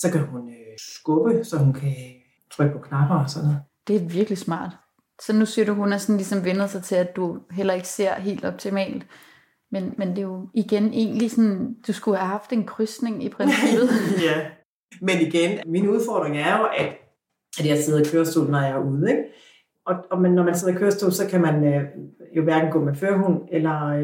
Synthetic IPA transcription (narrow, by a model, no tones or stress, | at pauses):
sɒ̽kʰæhunøsɡ̥ɔb̥əsɒ̽hunkʰæ | t͡sʰʁœɡ̥̚pʰɒ̽kʰnɑb̥ɐɒsɒ̽nð̩ˠd̥e̝æɐʋiɐɡ̥lismɑ̰̈ːd̥ | sɒ̽nusiɐɾuɦunæsɒ̽nlisɒ̽mʋenð̩ˠsɑ̈ɪt͡sʰe̝læd̥ːuɦel̰ɐe̝ɡ̥ə̥se̝ɐ̰ɦe̝̰ːld̥ɒ̽b̥t͡sʰimɛ̰ːld̥ | menmend̥e̝jo̝iɡ̥enʔe̝̰ːnlisɒnd̥usɡ̥uhæhɑ̈fd̥e̝nkʰʁysne̝ŋipʰʁensib̥ð̩ˠjæ | meniɡ̥enminuð̞ˠfɒ̰d̥ʁeŋæɐjo̝ʔæd̥ | æd̥jɑ̈seð̞̩ˠkʰøːɐsd̥o̰ːlnɒjɑ̈æuð̞̩ˠeɡ̥ | ɒ̽ɒ̽menːɒmænse̝ð̰ˠɐkʰøːɐsd̥o̰ːlsɒ̽kʰæmænøjo̝ʋæɐɡ̥n̩ɡ̥ɔ̰̽ːmeføɐɦunelɐ